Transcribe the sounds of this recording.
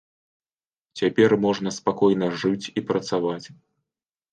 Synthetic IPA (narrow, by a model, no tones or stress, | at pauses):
t͡sʲapʲɛrmɔʐnɐspakɔjnɐʐɨt͡sʲipɾɐt̪savat͡sʲ